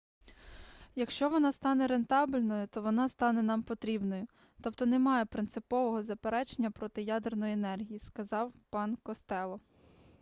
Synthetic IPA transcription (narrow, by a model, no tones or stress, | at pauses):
jɐkʃt͡ʃɔʋɔnɑst̪ɑnɛɾe̞nt̪ɑblʲnɔjʊt̪ɔʋɔnɑst̪ɑnɛnɑmpɔt̪ɾʲibnɔjʊ | t̪ɔpt̪ɔnemɑjepɾɪnt̪sɪpɔʋɔɦɔzɐpeɾɛt͡ʃenʲːɐpɾɔt̪ɪjɑd̪ernɔjʊenɛrɦʲijiskɐzɑwpɑnkɔst̪ɛlˠɔ